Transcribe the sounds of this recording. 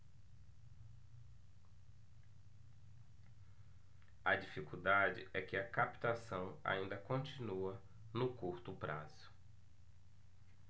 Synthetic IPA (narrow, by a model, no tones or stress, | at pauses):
ɐd͡ʒifikud̪ad͡ʒɪ̰ɛkɪɐkapi̥t̪asɐ̃w̃a̰ĩnd̪ɐkõnt͡ʃinuɐ | nʊkuɾt̪ʊpɾazʊ̥